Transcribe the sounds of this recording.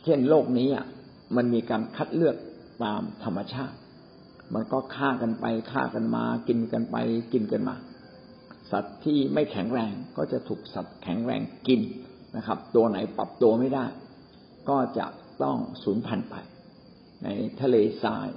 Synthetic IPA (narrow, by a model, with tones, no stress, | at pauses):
t͡ɕʰe˥˩nloː˥˩k̚niː˦˥ʔa̰˨˩ | ma˧nmiː˧kaː˧nkʰa˦˥t̪̚lɯ˥˩ək̚ | t̪aː˧mt̪ʰa˧mːa˧t͡ɕʰaː˥˩t̪̚ | mʔa˧nkɔː˥˩kʰaː˥˩ka˧npa˧jkʰa̰ː˥˩ka˧nma̰ː˧ki˧nka˧npa̰˧jki˧nka˧nma̰ː˧ | sa˨˩t̪ʰːiː˥˩ma˥˩jkʰɛ˩˦ŋɾɛː˧ŋkɔː˥˩t͡ɕa˨˩ʔt̪ʰuː˨˩k̚sa˨˩t̪̚kʰɛ˩˦ŋɾɛ̰ː˧ŋki˧n | nʔa˦˥kʰa˦˥p̚t̪u˧ɐna˩˦jpa˨˩p̚t̪u˧ɐma˥˩jdaː˥˩j | kɔː˥˩t͡ɕa̰˨˩ʔt̪ɔ˥˩ŋsuː˩˦npʰa˧npa̰˧j | na̰˧jt̪ʰa˧leː˧sa̰ː˧j